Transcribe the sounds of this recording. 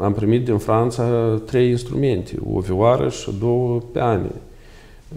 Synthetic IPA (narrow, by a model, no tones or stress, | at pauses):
ampɾimit̪̚d̪infɾant̪sat̪ɾe̞jinst̪ɾume̞nt̪ʰḛo̰viwaɾə̰ʃɨ̰d̪o̞wəpeanʲ